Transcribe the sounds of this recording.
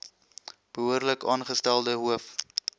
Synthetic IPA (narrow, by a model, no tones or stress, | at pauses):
b̥əɦuərləkɑːnχəstælˠdəɦuəf